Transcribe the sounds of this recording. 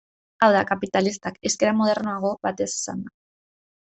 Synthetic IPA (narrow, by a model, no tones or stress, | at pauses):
awðakapit̪alist̪ake̞ske̞ɾamoð̞e̞ɾnoaɣ̞o̞βat̪e̞si̥sa̰nd̪a